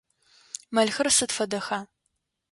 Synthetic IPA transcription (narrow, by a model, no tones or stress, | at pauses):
mɐɮxɨrsɨtfɐdɐxaː